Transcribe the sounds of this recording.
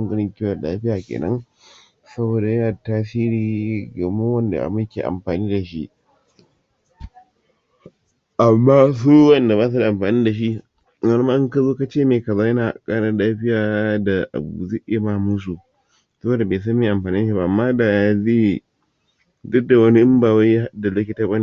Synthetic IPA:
ŋɡɐ˦ɽɪ˦ŋkʲɪ˦wɐ˨la̰ː˦ɸɪ˦jaː˨kʲḛː˨nɐ̰˦ŋ | sɐ˦boː˨da˨jɐ˦naː˨a˨taː˦s̬iː˦ɾiː˨ɡɐ˨mʊ˦wɐ˦nda̰˨ʔa̰˨mɪ˦kʲḛː˨ʔa̰˨mɸaː˨niː˦da˨ʃi˦ʔ | ʔa˨mːaː˦s̬u˦wɐ˦nda˨baː˦s̬u˨˦˨ʔa˨mɸaː˨niː˦da˨ʃ̬i˦ʔ | na˦ɾmaː˦ʔɪ˦ŋka˦zoː˦ka˦t͡ʃeː˦˨meː˨kɐ˨zaː˦jɐ˦naː˨kʼaː˦ɽa˦laː˦ɸɪ˦jaː˨da˨ʔa̰˨bṵ˨zeː˦ʔɪ˦ja˦maː˦˨mu˦s̬u˨ | sɐ˦boː˨da˨beː˨s̬a˦mːeː˨ʔa˨mɸaː˨ni˦dʃi˦a˦ʔa˨mːaː˦da˨zeː˦˨ | dʊ˦dːa˨wɐ˦ni˦ʔɪ˦mbaː˨wa˦ja˦ha˦da˨lo˦kʲi˨ta˦ɓa˦ni˦˨

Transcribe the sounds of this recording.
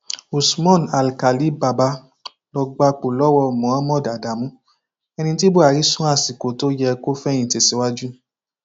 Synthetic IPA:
u˨smɔ̃˦˨na˨lka˨li˦ba˨ba˧˦ | lɔ˧ɡ͡ba˧k͡po˨lɔ˦wɔ˧˨mɔ̃˨˦ã˦mɔ̃˦˨da˨da˨mũ˦ | ɛ˧nĩ˧t̬i˦bo˦a˨ɾi˨˦sũ˦a˦˨si˨ko˨to˦jɛ˧ko˦fɛ˦j̃ĩ˨te˨si˨˦wa˦d͡ʒu˦

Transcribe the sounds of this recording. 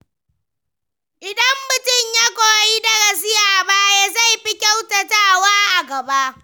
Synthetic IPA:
ʔɪ˨dɐ˦mːʊ˦tʊ˦ɲja˦kʷoː˨ji˦dɐ˦˨ɡɐ˨s̬ɪ˦jaː˦˨baː˦ja˦za˦˨jɸi˦kʲa˦wtɐ˨taː˦˨waː˦ʔa˨ɡɐ˨ba˦ʔ

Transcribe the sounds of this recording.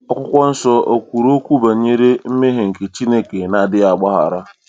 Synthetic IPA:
ɔ˦˨kʷʊ˦kʷɔ˦n̩˦sɔ˦o˨kʷu˨ɾo˦kʷu˦ba˨˦ɲe˦ɾe˦m̩˦me˦ɦe˨ŋ̩˨ke˨t͡ʃi˦ne˦ke˨na˨dɪ˦a˨ɡ͡ba˦ɦa̰˨ɾa˦

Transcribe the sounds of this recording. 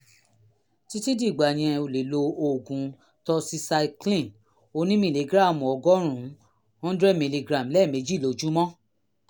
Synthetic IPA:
ti˧ti˦di˦˨ɡ͡ba˨j̃ɛ̃˧o˨le˨lo˧o˨ɡũ˨˦ | tɔ˧si˧sa˧klĩ˦˨n | o˧nĩ˦mĩ˧˨le˨ɡɾa˦˨mũ˨ɔ˧ɡɔ˦ɾ̃ũ˨˦ | ɔ̃˦dɾɛ˦˨mĩ˨li˧ɡɾa˨m˨lɛ˦˨me˨˦d͡ʒi˦˨lo˨˦d͡ʒũ˦mɔ̃˦

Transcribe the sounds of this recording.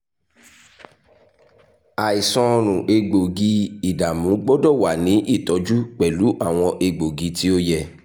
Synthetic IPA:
a˨i˨sɔ̃˧ɾ̃ũ˨ʔe˧ɡ͡bo˨ɡi˧i˨da˨mũ˨˦ɡ͡bɔ˦dɔ˦˨wa˨nĩ˨˦ʔi˦˨tɔ˨˦d͡ʒu˦k͡pɛ˨lu˨˦ʔa˦˨w̃ɔ̃˧ʔe˧ɡ͡bo˨ɡi˧ti˦o˦jɛ˧˨

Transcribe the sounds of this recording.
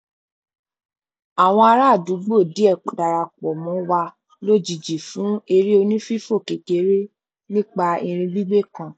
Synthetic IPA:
a˨w̃ɔ̃˧a˧ɾa˦˨du˨˦ɡ͡bo˦˨di˨˦ɛ˦˨da˨ɾa˧k͡pɔ˨mɔ̃˨˦wa˧ | lo˦˨d͡ʒi˨d͡ʒi˨fũ˨˦e˧ɾi˦o˧nĩ˦fi˦fo˦˨ke˨ke˨˦ɾe˦ | nĩ˦k͡pa˧ĩ˧ɾ̃ĩ˧bi˦ɡ͡be˦kã˦˨

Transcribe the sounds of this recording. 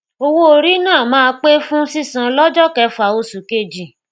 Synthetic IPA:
o˧wo˦o˨ɾi˦nãː˦˨mãː˦˧k͡pe˦fũ˦si˦˨sã˧lɔ˦d͡ʒɔ˦kɛ˧˦fa˨o˧su˨ke˦˨d͡ʒi˨

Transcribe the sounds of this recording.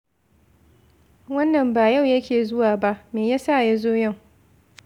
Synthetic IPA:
wɐ˦nːɐ˨mbaː˨ja˦˨wjɐ˦kʲeː˨zʊ˦waː˨ba˦ʔmeː˨jaː˦sa˦˨ja˦zoː˦jɐ˦˨ŋ

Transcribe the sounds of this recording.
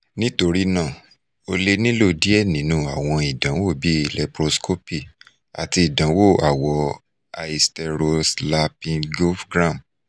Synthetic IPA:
nĩ˦to˧ɾi˦nã˦˨ | o˧le˦nĩ˦lo˦˨di˨˦ɛ˦˨nĩ˨˦nũ˧a˨w̃ɔ̃˧i˨dã˨˦wo˦˨bi˦˨lɛ˧pɾo˧sko˦pi˦˨ | a̰˨ti˧i˨dã˨˦wo˦˨a˨wɔ˧ | a˧i˧stɛ˧ɾo˧sla˧pĩ˧ɡo˦fɡɾã˦˨m

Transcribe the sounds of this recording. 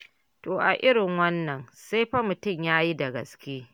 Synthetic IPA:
toː˨ʔa˨ʔɪ˦ɽɪ˨ŋwɐ˦nːɐ˨nsa˦jɸɐ˦mʊ˨tʊ˦˨mjaː˦ji˦da˨ɡɐ̰˨skʲeː˦

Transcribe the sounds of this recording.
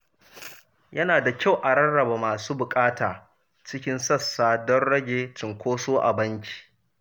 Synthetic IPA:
jɐ˦naː˨da˨kʲa˦˨wʔa˨ɽɐ˦nɽɐ˨ba˨maː˨suː˦bʊ˨kʼaː˦taː˨ | t͡ʃɪ˦kʲɪ˦nsɐ˦˨sːaː˦dɔ˦rɽɐ˦ɡʲeː˨t͡ʃɪ˨ŋkʷoː˦soː˦ʔa̰˨bɐ˦ŋkʲi̥ː˨

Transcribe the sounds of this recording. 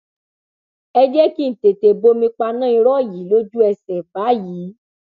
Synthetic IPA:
ɛ˧d͡ʒɛ˦ki˦˨n̩˨te˨te˨bo˧˦mĩ˧k͡pa˧nã˦˨ĩ˧ɾɔ˦˨ji˨˦lo˦d͡ʒu˦ɛ˧sɛ˨fa˨˦jiː˨˦

